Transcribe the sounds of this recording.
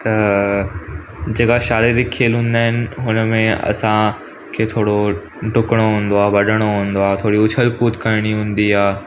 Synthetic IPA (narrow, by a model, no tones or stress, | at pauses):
t̪ɐ | d͡ʑeːkaʃaːleɾikʰːeːlɦũːn̆d̪aːɦɪnɪ̆ɦʊnəmẽɐ̰sã | kʰeːt̪ʰoːɽo | ʈʊkəɽ̃oɦũːn̆d̪oaːʋɐɗʱəɽ̃oɦũːnd̪oaːt̪ʰoːɽiʊt͡ɕʰəlkuːt̪kaɪɽ̃iɦũːn̆d̪iaː